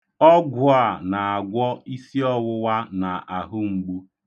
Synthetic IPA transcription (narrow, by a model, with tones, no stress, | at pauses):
ɔ˦ɡʷʊ˦a˨na˨a˨ɡʷɔ˦i˦si˦ɔ˦wʊ˦wa˦na˨a˨ɦʊ˦ŋ͡m̩˨ɡ͡bu˦